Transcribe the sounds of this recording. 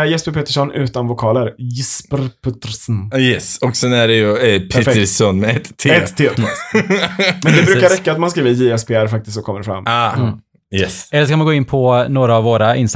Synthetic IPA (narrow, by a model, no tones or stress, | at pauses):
jɛspəɾpeːt̪əʂɔnʉ̟ːt̪anvʊkʰɑːləɾjɪspəɾpʰɵt̪ːəɾsnjɛsɔksɛnæɖɛjɵpʰɾɛt̪əɾsɔnmɛɛt̪ʰːeɛt̪ʰːe | mɛnd̪ɛbɾʉ̟kaɾɛkːat̪manskɾiːvəjiɛspeːæɾfak̚t̪ɪst̪ɔkʰɔmːəɖfɾa̰mːaː | jɛsɛlːəʂ̬kʰamanɡoːɪnpʰɔnoːɾaːvːoːɾaɪns